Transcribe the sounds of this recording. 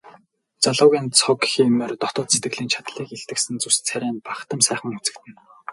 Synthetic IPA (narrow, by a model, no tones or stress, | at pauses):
t͡saɮʊːɣʲiːnt͡sʰɔkximert̪ɔt̪ɔːt̪set̪ɡɘ̆ɮiːnt͡ɕʰḁt̪ɮiːkeɬt̪ɘ̆ksɘ̆nt͡sust͡sʰæɾʲæːnpaχt̪ə̆msæːχə̆ŋut͡sɘ̆kt̪ɘ̆n